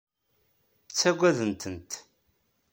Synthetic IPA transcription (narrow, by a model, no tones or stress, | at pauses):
t͡sːæɡʷæðənt̪ənt̪